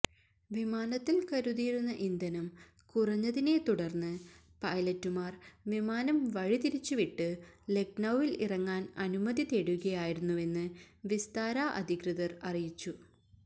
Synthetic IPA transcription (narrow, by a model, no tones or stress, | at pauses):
ʋimaːnɐt̪ːilkɐɾuðiːɾunːɐʔind̪ɐnɐm | kurɐɲːɐðine̞t̪uɽɐrnːɨ | pɐjlɐtːumaːrʋimaːnɐmʋɐɻit̪iɾit͡ɕːuʋiʈːɨle̞k̚nɐwʋilḭrɐŋːaːnɐnumɐd̪it̪eːɽuɣɐjaːjiɾunːue̞nːɨ | ʋist̪aːɾaːʔɐ̰d̪ʱikrɨðɐrɐrijit͡ɕːu